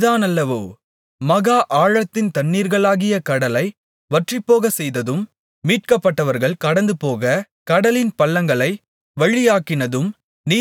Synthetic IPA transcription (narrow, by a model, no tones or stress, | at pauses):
ðaːnɐlːɐʋoː | mɐɣaːʔaːɻɐt̪ːɪnt̪ɐɳːiːɾɣɐɭaːɣɪjɐkɐɽɐlɐɪ | ʋɐʈrɪpːoːɣɐsɛjðɐðɯmː | iːʈ̚kɐpːɐʈːɐʋɐɾɣɐɭkɐɽɐnd̪ɯpoːɣɐ | kɐɽɐlɪnpɐlːɐŋɡɐɭɐɪ | ʋɐɻɪjaːkːɪnɐðɯm | niː